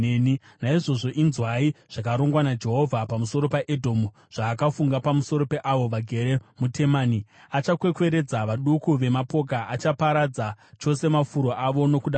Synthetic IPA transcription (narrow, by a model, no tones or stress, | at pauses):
ni | naiʐo̞ʐo̞ʔinzwaiʐ̥akaɾo̞ŋɡwanad͡ʒe̞ɦo̞vʱapamuso̞ɾo̞paʔedʱo̞mu | ʐ̥aːkafuŋɡapamuso̞ɾo̞pe̞ʔaʋo̞ʋaɡʱe̞ɾe̞mute̞maːni | at͡ʃakwe̞kwe̞ɾe̞d͡zaʋaɗukuʋe̞mapo̞k̬aʔat͡ʃapaɾad͡zat͡ʃo̞se̞mafuɾo̞ʔaʋo̞no̞kuɗa